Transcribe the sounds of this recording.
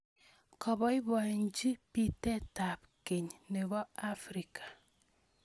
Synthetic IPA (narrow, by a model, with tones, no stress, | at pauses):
kɔ˨bɔ˨˦i˦bɔ˨ɲ˦d͡ʒi˦pi˦tɛ˦ta˨p̚ | ke˨ɲne˨bɔ˦a˦fɾi˨kʰḁ˨